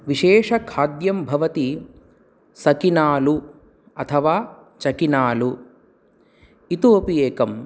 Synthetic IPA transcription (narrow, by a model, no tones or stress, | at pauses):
ʋiʃɛːʂɐkʰaːd̪jɐmbʱɐʋɐt̪i | sɐkinaːlu | ɐt̪ʰɐʋaː | t͡ʃɐkinaːlu | it̪oːpijeːkɐm